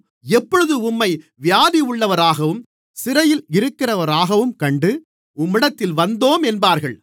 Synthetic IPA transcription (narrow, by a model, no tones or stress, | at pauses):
ɛpːɔɻɯðɯʊmːɐɪ | ʋjaːðiʊɭːɐʋɐɾaːɣɐʋɯm | sɪɾɐjɪlɪɾɯkːɪrɐʋɐɾaːɣɐʋɯmkɐɳɖɯ | ʊmːɪɽɐt̪ːɪlʋɐnd̪oːmɛnbaːɾɣɐɭ